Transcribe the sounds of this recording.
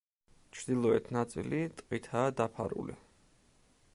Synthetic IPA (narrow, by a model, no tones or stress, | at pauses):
t͡ʃʰɾd̪ilˠɔɛt̪ʰnat̪sʼḭlit̪ʼqʼit̪ʰaːd̪apʰa̰ɾṵlḭ